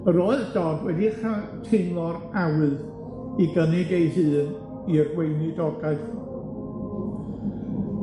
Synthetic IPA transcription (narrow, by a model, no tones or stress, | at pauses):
əɾoɨðd̥ɔdwɛdiχatʰɪmlˠɔɾawɨð | iɡəniɡejhɨːn | irwejnɨdɔɡaɨθ